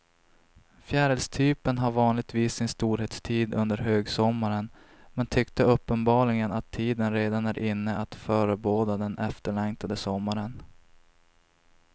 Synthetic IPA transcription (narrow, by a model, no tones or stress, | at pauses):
fjæːɾəlst̪ʰyːpənɦaɾvɑːnlɪɡ̚t̪viːsːɪnst̪uːɾheːt̪st̪ʰiːd̪ɵnd̪əɾɦøːɡsɔmːaɾən | mɛnt̪ʰʏkt̪əɵpːənbɑːɭɪɡənat̪ʰːiːd̪ənɾeːd̪anæɾʔɪnːəʔat̪fœːɾəboːd̪ad̪ɛnʔɛft̪əɭɛŋt̪ʰad̪əsɔmːaɾən